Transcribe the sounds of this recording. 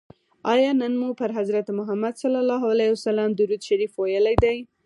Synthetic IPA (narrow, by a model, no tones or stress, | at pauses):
ɑjɑnənmupəɾɦazɾat̪mʊɦamad̪salɑlɑɦalawsalamd̪uɾud̪ʃaɾifwajəlajd̪aj